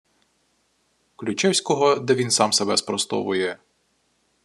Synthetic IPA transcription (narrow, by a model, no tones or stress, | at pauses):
klʲʊt͡ʃɛwsʲkɔɦɔd̪ɛʋʲinsɑmsebɛspɾɔst̪ɔ̰ʋʊjɛ